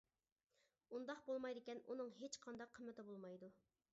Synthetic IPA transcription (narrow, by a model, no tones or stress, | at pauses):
und̪ɑqbolˠmɑjd̪ɪkʲɛnunɨŋɦet͡ʃqʰɑnd̪ɑqʰːəmːɪt̪ɪbolˠmɑjd̪u